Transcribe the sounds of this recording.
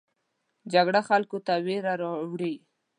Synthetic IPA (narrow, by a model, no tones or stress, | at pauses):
d͡ʒaɡɽaxalkot̪aweɾaɾɑwɽi